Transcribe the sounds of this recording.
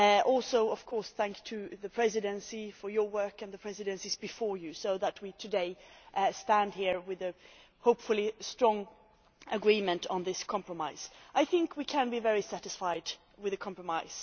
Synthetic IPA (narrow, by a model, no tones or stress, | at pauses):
ʔɔlˠsoʊʌv̥kʰɔɹsθæ̃ŋkstʰɨðɨpʰɹ̥ɛzɨɾɨ̃nsifə˞jə˞wɜ˞kɨ̃nðəpʰɹ̥ɛzɨɾɨ̃nsizbɨfɔɹjʉsoʊðət̚witʰɨdeɪstæ̃ndhiɹwɪðɨ | hoʊpfəlˠistɹ̥ɔ̃ŋ | əɡɹĩmɨ̃ntn̩ðɪskʰɑ̃mpɹəmaɪz̥ʔaɪθɪ̃ŋkʰwikʰɨ̃nbivɛɹisæɾɨsfaɪd | wɨðɨkʰɑ̃mpɹəmaɪz̥